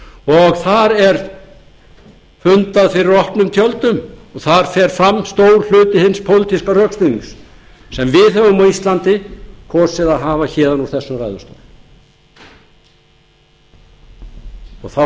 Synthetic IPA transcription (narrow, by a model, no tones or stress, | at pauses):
ɔɣθaɾɛɾ̥ | fʏnt̪aðfɪɾɪɾɔhpnʏmt̪ʰjœlt̪ʏmɔɣθaɾ̥fɛɾ̥fɾamːst̪oːwɾl̥ʏːt̪ɪhɪnspʰowlt̪ʰiskarœkst̪iniŋs | sɛmvɪðhɛvʏmɔist̪lant̪ɪkʰɔːsɪðaðɦaːvaçɛːðanuɾ̥θɛsːʏmrajðʏst̪ɔ̰ːðm | ɔɣθa